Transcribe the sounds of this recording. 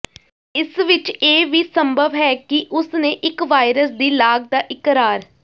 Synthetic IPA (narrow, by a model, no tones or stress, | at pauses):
ɪsʋɪt͡ʃeːʋiːsəmbʱəʋɦɛːkɪʔʊsnẽːʔɪkʋaːjɪɾəsd̪iːlaːɡ̚d̪aːʔɪkɾaːɾ